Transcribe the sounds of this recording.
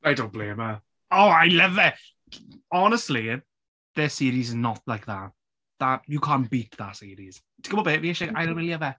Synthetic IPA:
ajdõnb̥lẽːmə | oːajlɛvɛ | ɔnəstˡli | ðəsiːɾiznɔt̚lajk̚ðat | ðatjukʰãːnb̥iːtðatsiːɾiz̥ | tʰəɡ̥əbɔbeːʔviɛʃɛajəɪliəvɛ

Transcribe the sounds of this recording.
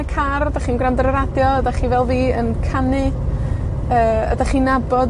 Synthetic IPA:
kʰardaχiːnɡrandəɾəɾadjɔədaχivɛlˠviːənkʰanɨ | əːə̰daχiːnabɔd

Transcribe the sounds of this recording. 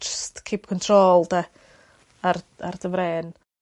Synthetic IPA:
d͡ʒəstkʰiːp̚kʰɔntʰroːlˠda | ar | ardəvɾɛːn

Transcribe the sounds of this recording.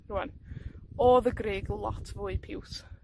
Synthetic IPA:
ruan | ɔðəɡreːɡlˠɔ̰tʰvʊːɨpʰɪws

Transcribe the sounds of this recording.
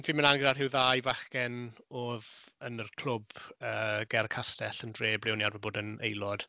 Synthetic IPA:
nvimənanɡədadɦɪwðajvaχkɛnoːðənərkʰl̥ˠʊbəːɡ̥ɛrkʰastɛɬəndreːblˠɪwnjadvəboːdənejlˠɔd̥

